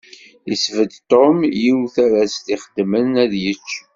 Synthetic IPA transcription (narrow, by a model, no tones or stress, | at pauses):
isvəd̪t̪ˤomjiwθæɾæst̪iχəd̪mənæðjət͡ʃː